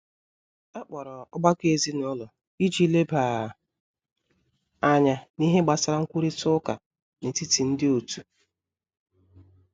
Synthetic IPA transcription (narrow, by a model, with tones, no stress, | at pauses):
a˦k͡pɔ˨ɾɔ˨ʊ˦ɡ͡ba˦ke˨zi˦nʊ˦lʊ˨ | i˦d͡ʒi˦le˦ba˨ | a˦ɲa˦ni˦ɦe˦ɡ͡ba˨sa˦ɾa˦ŋ̩˦kʷu˦ɾi˦tʊ˦ka̰˨ | ne˨ti˦ti˨n̩˦dɪ˦o˨tu˨